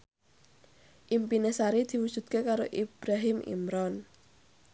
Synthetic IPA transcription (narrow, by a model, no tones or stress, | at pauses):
ʔimpinesaɾid̪̥i̤wud̥ʒ̥ṳt̪̚kekaɾoʔib̥ɾaɦɪmʔḭmɾɔn